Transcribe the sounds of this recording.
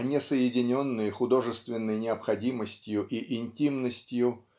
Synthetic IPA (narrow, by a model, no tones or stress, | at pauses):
nʲɪsəjɪdʲɪnʲo̞nːɨjxʊd̪o̞ʐɨst̪vʲɪnːəjnʲɪɐpxɐdʲiməsʲtʲjʊʔiʔɪnʲtʲimnəsʲtʲjʊ